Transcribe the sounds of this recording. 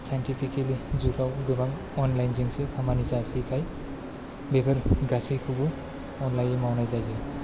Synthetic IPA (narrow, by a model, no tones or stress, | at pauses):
sajntipʰikelizuɡawɡɯbaŋ | ɔnlajnziŋsɯkʰamanizasijkʰaj | bebɯɾɡasijkʰɯbɯ | ɔnlajemawnajzajzɯ